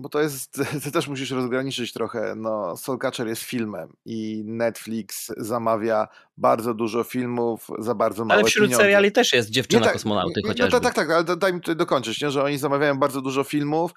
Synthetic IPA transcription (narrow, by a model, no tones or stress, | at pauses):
bɔt̪ɔjɛst̪t̪ɪt̪ɛʂmuɕ̬iʂɾɔzɡɾaɲit͡ʂɘt͡ɕt̪ɾɔxɛ̰nɔsɔlkat͡ʂɛɾjɛst̪fʲilmɛ̰minɛt̪flʲiksːamavʲja | baɾd̪zɔd̪uʐɔfʲilmufzabaɾd̪zɔmalɛvɛfɕɾut̪ssɛɾjalʲit̪ɛʂjɛst̪̚d͡ʑɛft͡ʂɔɛnat̪akɔsmɔna̰w̪ɔt͡ɕat̪akt̪ak̚t̪akalɛd̪d̪ajmʲit̪ut̪ajd̪ɔkɔɲt͡ʂɘt͡ɕɲɛʐɛɔɲizamavʲjajɔ̃w̃baɾd̪ɔd̪uʐɔfʲilmuf